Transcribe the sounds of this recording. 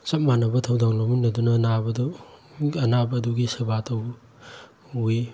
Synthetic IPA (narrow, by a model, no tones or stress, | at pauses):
sɐp̚manɐbɐtʰɐwdaŋlominɐdunɐnabɐdu | ɐnabɐːduɡisebatʰɐw | ui